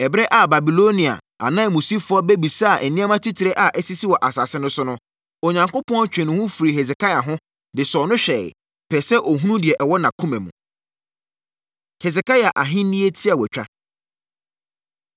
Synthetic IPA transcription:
ɛ˨bɛ˦ʔa˨ba˨bi˨lo˦nĩ˨a̰˨ | a̰˨nã˦˨mũ˨si˦fʊ˨˦ɔ˦be˦bi˨sa˦a˨ʔɛ˨nĩ˦a˦mã˦tʰi˦tʰɪ˨ɾe˦ʔa˨ʔɛ˦si˦si˦wɔ˨ʔa˨sa˨sɪ̃˦nʊ̃˦sʊ˦nʊ̃˦ | o˨ɲã˨ŋko˦pʰɔ̃˦ɔ˦t͡ɕᶣɛ̃˨nʊ̃˨hʊ̃˦fu˨ɾi˨ɦɛ˨sɛ˨kʰa˦ja˨ɦʊ̃˦ | dɪ˨sɔ˨nʊ̃˦ɕᶣɛ̰˨ | pʰɛ˨sɛ˦ʔo˨ɦũ˦nũ˦dɪ˨ɛ˨ʔɛ˨wɔ˦nã˨kʰũ˦mɛ̃˨mṵ̃˨ | hɛ˨s̬ɛ˨ka˦ja˨ʔa˨ɦɪ̃˦nĩ˦e˦tʰi˦a˨wɛ˨t͡ɕᶣa̰˦

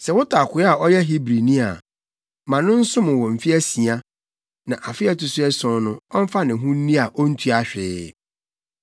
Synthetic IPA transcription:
sɛ˨wʊ˦tʰa˨kʰʷʊ˨˦a˨ɔ˦jɛ˦ɦi˦bɾi˨nĩ˦a˨ | mã˨nʊ̃˦n̩˦sʊ̃˦mʊ̃˨wɔ̃˨m̩˨fi˦æ˦sĩ˨a˦ | nã˨ʔa˨fɪ˦ɛ˦tʊ˨sʊ˦ɛ˦sɔ̃˨nʊ̃˦ɔ˦m̩˦fa˦nɪ̃˨ɦũ˦nĩ˦a˨ʔɔ˦n̩˦tʰu˦a˨ɕᶣɪː˦

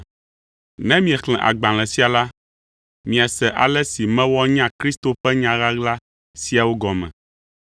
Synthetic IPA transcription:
nɛ̃˦mĩ˨ɛ˨kl̃ɛ̃˨ʔa̰˨ɡ͡bã˨l̃ɛ̃˨si˦a˨la˦ | mĩ˨a˨sɛ˨ʔa˨lɛ˦si˨mɛ̃˦wɔ˦ɲã˦kɾi˦st̪o˨ɸɛ˦ɲã˨ɣa˦ɣla˦ | si˦a˨wo˦ɡɔ˨mɛ̰̃˨

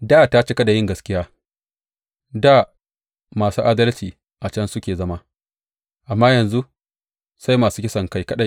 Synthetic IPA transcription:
daː˦˨ta˦t͡ʃe˦kɐ˦da˨jɪ˦ŋɡɐ˨skʲɪ˦jaː˦ | daː˦˨ | maː˨suː˦ʔaː˦dɐ˦lt͡ʃiː˨ | ʔa˨t͡ʃɐ˦nsʊ˦kʲeː˨zɐ˦ma˦ | ʔa˨mːaː˦jɐ˨nzu˦ | sa˦jmaː˨suː˦kʲɪ˦sɐ˨ŋka˨jkɐ˦ɗa˨j

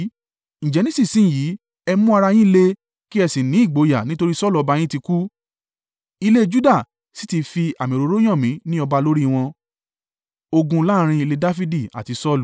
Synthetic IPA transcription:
ñ̩˨d͡ʒɛ˨nĩ˦si˦˨sĩ˦˨jiː˨˦ | ɛ˧mũ˦a˧ɾa˧j̃ĩ˦i˦˧le˦ | ki˦ɛ˧si˨nĩ˨˦i˦˨ɡ͡bo˨˦ja˨nĩ˦to˧ɾi˦sɔ˦lu˨ɔ˨˧ba˧j̃ĩ˦ti˧ku˦ | i˧le˦d͡ʒu˦da˦˨ | si̥˨˦ti˧fi˧a˨mĩ˨ɾo˨˧˦ɾo˦j̃ã˦˨mĩ˨˦nĩ˦ɔ˧ba˧lo˦ɾi˦˧w̃ɔ̃˧ | o˧ɡũ˧la˦ɾ̃ĩ˧i˧le˧da˦fi˦di˦˨a̰˨ti˧sɔ˦lu˨

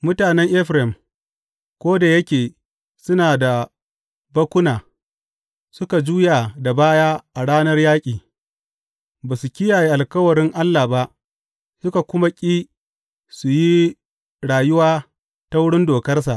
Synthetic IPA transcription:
mʊ˦taː˨nɛ˦ŋʔɛ˦ɸɾɛ˨m | kʷoː˦da˨jɐ˦kʲeː˨ | sʊ˦naː˨da˨ | bɐ˦kʷʊ˦naː˨ | sʊ˦ka˨d͡ʒuː˦ja˨da˨baː˦jaː˦ʔa˨ɽaː˦nɐ˦rjaː˦kʲʼiː˨ | baː˨su˨kʲɪ˦jaː˨je˦ʔa˨lkɐ˦wɐ˨ɽɪ˦ŋʔa˦lːaː˨ba˦ʔ | sʊ˦ka˨kʷʊ˦ma˦kʲʼiː˦ | su˨ji˦ | ɽaː˨jʊ˦waː˦ | ta˦wʊ˦ɽɪ˦ndoː˨kɐ˦rs̬a˨ʔ

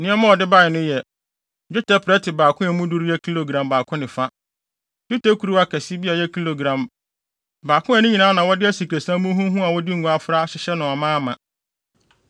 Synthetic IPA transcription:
nɪ̃˦ɛ˦mã˦wɔ˨dɪ˦ba˦ɪ˨nʊ̃˦jɛ˨ | d͡ʑᶣʊ˦tʰa˦pʰɾɛ˦tʰɪ˨baː˨kʰʊ̃˦ɛ˨mũ˦du˦ɾɛ˦kʰi˦lo˨ɡɾã˨mbaː˨kʰʊ̃˦nɪ̃˨fa˦ | d͡ʒu˦ta˦kʰu˨ɾu˦a˦kʰɛ˨si˦bi˦a˨jɛ˦kʰi˦lo˨ɡɾã˨m | baː˨kʰʊ̃˦ɛ˨nʊ̃˦ɲĩ˨nãː˨˦nã˨wɔ˦dɪ˦æ˦si˨kʰɾe˨sã˦mũ˦ɦũ˦ɦũ˦a˨wɔ˦dɪ˦ŋ̩˨ɡũ˦a˦fɾa˦ɕɪ˦ɕɛ˦nʊ̃˨a˨mãː˦mã˨

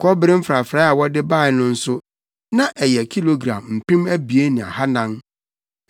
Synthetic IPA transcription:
kʰɔ˦bɪ˦ɾɪ̃˦m̩˦fɾa˨fɾaː˨˦a˨wɔ˦dɪ˦ba˦˨ɪ˨nʊ̃˦n̩˦sʊ˦ | nã˦ʔɛ˨jɛ˨kʰi˦lo˨ɡɾã̰˨mm̩˨pĩ˦mæ˦bi˨e˦nĩ˨a̰˨ha˦nã˦n

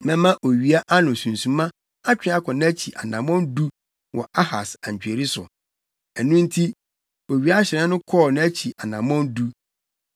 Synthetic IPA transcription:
mɛ̃˦mã˦ʔo˨ɥi˨a˦ʔa˦nʊ̃˨sũ˨n˨sũ˨mã˦ | a˦t͡ɕᶣɪ̃˦a˦kʰɔ̃˨nɪ̃˦æ˦t͡ɕʰi˨ʔa̰˨nã˨mɔ̃˦ndu˦ | wɔ̰˨ʔa˦ha˨sã˨ɲ˨t͡ɕᶣe˨ɾi˦sʊ̰˨ | ɛ˨nũ˦n̩˦tʰi˦ | o˨ɥi˨˦a˦ɕɪ˨ɾɛ̃˦nʊ̃˦kʰɔ˦˨nʊ̃˦æ˦t͡ɕʰi˨ʔa˨nã˨mɔ̃˦ndu˦

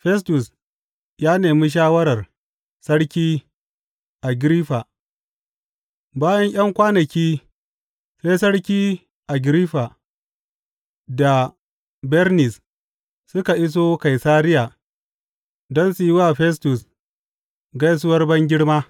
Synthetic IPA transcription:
ɸɛ˦stʊ˨s | jaː˦neː˨miː˦ʃ̬aː˦wɐ˦ɾɐ˨r | sɐ˦ɽkʲiː˦ | ʔa˨ɡɾiː˦ɸa˨ | baː˦jɐ˦ɲj̰ɐ˦ŋkʷaː˦nɐ˨kʲiː˦ | ɸeː˦sɐ˦ɽkʲiː˦ | ʔa˨ɡɾi˦ɸa˨ | da˨ | bɛ˦ɾnɪ˨s | sʊ˦ka˨ʔɪ˦s̬oː˦ka˨jsaː˦ɾɪ˦ja˨ | dɔ˦nsu˨ji˦waː˦˨ɸɛ˦s̬tʊ˨s | ɡɐ˦js̬ʊ˦wɐ˦rbɐ˦ŋɡʲɪ˦ɽmaː˦

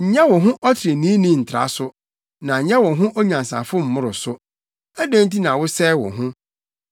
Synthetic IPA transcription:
ɲ̩˨ɲɛ̃˦wɔ̃˨ɦʊ̃˦ʔɔ˦tʰɪ˨ɾe˨nĩ˦nĩ˦n̩˨tʰɾa̰˦sʊ˦ | nã˨ɲ̩˨ɲɛ̃˦wɔ̃˨ɦʊ̃˦ʔɔ˦ɲã˨n˨sa̰˨fʊ˦m̩˨mʊ̃˦ɾʊ˨sʊ˦ | æ˦dæ̃˦n˦t̬i˦nã˨wʊ˦sɛː˦˨wɔ̰̃˨ɦʊ̃˦

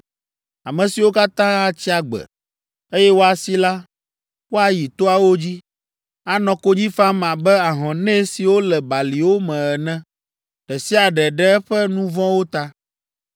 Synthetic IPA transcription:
a̰˨mɛ̃˨si˨wo˦ka˦t̪ã˦a˨t͡ɕi˦a˨ɡ͡bɛ̰˨ | e˦jɛ˦wo˦a˨si˦la˦ | wo˦a˦ji˨t̪o˦a˨wo˦d͡ʑi˦ | a˨nɔ̃˨ko˦d͡ʑi˦fã˦mã˨bɛ˦a˨ɦɔ̃˨nɛ̃˦si˨wo˦lɛ˨ba˨li˨wo˦mɛ̃˨ɛ˨nɛ̃˦ | ɖ̥ɛ˨si˦a˨ɖɛ˨ɖɛ˦ɛ˦ɸɛ˦nũ˦vɔ̃˦wo˦t̪a˦

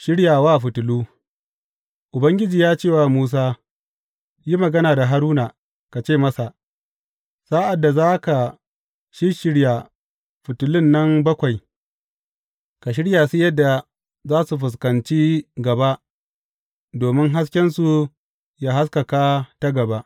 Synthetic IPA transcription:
ʃɪ˦ɽjaː˨waː˦˨ɸʊ˨tʊ˨luː˦ | ʔʊ˨bɐ˦ŋɡʲɪ˦d͡ʒiː˨jaː˦t͡ʃeː˦˨waː˨muː˦s̬aː˦ | ji˦mɐ˨ɡɐ˦naː˨da˨ɦa˦ɾuː˦na˨ | ka˨t͡ʃeː˦˨mɐ˦sa˨ʔ | sa˦ʔa˨dːa˨zaː˦ka˨ | ʃɪ˦ʃɪ˦ɽja˨ | ɸʊ˨tʊ˨lɪ˦nːɐ˦mbɐ˦kʷa˨j | ka˨ʃ̬ɪ˦ɽjaː˨si˦jɐ˦dːa˨ | zaː˦su˨ɸʊ˨s̬kɐ˨nt͡ʃiː˦ɡɐ˨ba˦ʔ | doː˨mɪ˦ŋɦa˦s̬kʲɛ˦nsu˨ | jaː˦ɦa˦skɐ˨kaː˦ta˦ɡɐ˨ba˦ʔ

